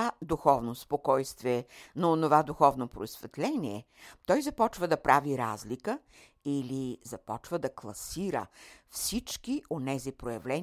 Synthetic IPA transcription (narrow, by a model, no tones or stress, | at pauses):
ad̪uxɔvnospokɔjst̪viɛnɐonovad̪uxɔvnopɾoisvɛt̪lɛnʲiɛ | t̪ɔjzɐpɔt͡ʃvəd̪ɐpɾaviɾazlikə | ilizɐpɔt͡ʃvəd̪ɐklˠɐsiɾə̰fsit͡ʃkiʔonɛzipɾojɐvlɛn